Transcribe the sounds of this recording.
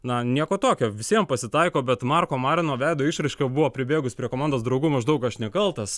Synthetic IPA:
nɐnʲiɛkoːt̪oːkʲoːʋʲɪsʲiɛmpɐsʲɪt̪ɐɪkoːbʲɛt̪mɑrkoːmɑːɾʲɪnoːʋʲæɪd̪oːɪʃɾɐɪʃʲkʲobʊʋoːpʲɾʲɪbʲeːɡʊsʲpʲɾʲiɛkoːmɑnd̪oːsd̪ɾɐʊɡuːmɐʒd̪ɐʊkɐʃnʲɛkɐlˠt̪ɐs

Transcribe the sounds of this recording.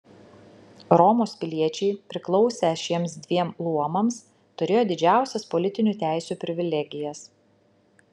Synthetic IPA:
ɾɔmoːspʲɪlʲiɛt͡ʃʲɛɪpʲɾʲɪklˠɒʊsʲɛʃʲiɛmsd̪ʲʋʲiɛmlˠuɔmɐms | t̪ʊɾʲeːjoːd̪ʲɪd͡ʒʲæˑʊsʲɛspɔlʲɪt̪ʲɪnʲuːt̪ʲæˑɪsʲuːpʲɾʲɪʋʲɪlʲɛɡʲɪjɛs

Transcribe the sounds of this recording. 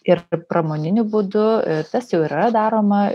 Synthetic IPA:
ɪɾpɾɐmoːnʲɪnʲʊbʊd̪ʊt̪ɐsjɛʊɪɾɐd̪ɑːɾoːmɐ

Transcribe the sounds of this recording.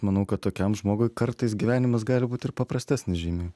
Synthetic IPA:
mɐnɐʊkɐt̪toːkʲɛmʒmoːɡoɪkɐɾt̪ɐɪs̬ɡʲiʋʲæːnʲɪmɐsɡɑːlʲɪbuːt̪ɪɾpɐpɾɐsʲt̪ʲæːsʲnʲɪsʒʲiːmʲeː

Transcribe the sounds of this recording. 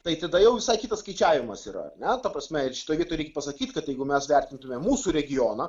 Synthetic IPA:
t̪ɐɪt̪ɐd̪ɐjɛʊʋʲɪsɐɪkʲiːt̪ɐsskɐɪt͡ʃʲæːʋʲɪmɐsḭːɾɐ̰ɐ̰ɾnʲɛt̪ɐpɾɐsʲmʲɛɪʃʲɪ̥toːjʋʲiɛtojɾʲɛɪkʲɛpɐsɐkʲiːt̪ʲkɐt̪jɛɪɡʊmʲɛsʋʲɛrʲt̪ʲɪnt̪ʊmʲɛmuːsuːɾʲɛɡʲɪjoːnɐ

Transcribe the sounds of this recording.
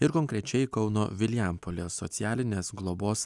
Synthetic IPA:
ɪɾkɔŋkɾʲɛt͡ʃʲɛɪkɒʊno̰ːʋʲɪlʲɪæmpolʲeːsɔ̰t̪sʲɪjæːlʲɪnʲeːsɡlˠɔboːs

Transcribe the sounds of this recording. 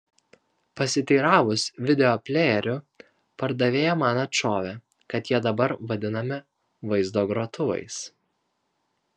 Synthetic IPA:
pɐsʲɪt̪ʲiːɾɑːʋʊsʋʲɪd̪ʲɛoːpʲlʲeːɛɾʲʊ | pɐɾd̪ɐʋʲeːjɛmɑːnɐt͡ʃʲoːʋʲɛ | kɐt̪jiɛd̪ɐbɐɾʋɐd̪ʲɪnɐmʲɪ | ʋɐɪzd̪oːɡɾoːt̪ʊʋɐ̰ɪs

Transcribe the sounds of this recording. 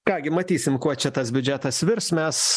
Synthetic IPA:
kɑːɡʲɪmɐt̪ʲiːsʲɪmkuɔt͡ʃʲɛt̪ɐsbʲʊd͡ʒʲæt̪ɐsʋʲɪɾsmʲɛs

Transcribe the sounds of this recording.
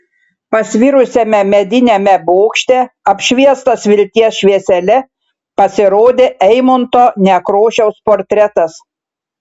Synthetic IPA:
pɐsʲʋʲiɾʊsʲɛmʲɛmʲɛd̪ʲɪnʲɛmʲɛboːkʃʲt̪ʲɛɐpʲʃʲʋʲiɛst̪ɐsʋʲɪlʲt̪ʲiɛsʃʲʋʲiɛsʲɛlʲɛ | pɐsʲɪɾoːd̪ʲeːʔɛɪmont̪oːnʲɛkɾoːʃʲɛʊspoːɾʲt̪ʲɾʲɛt̪ɐs

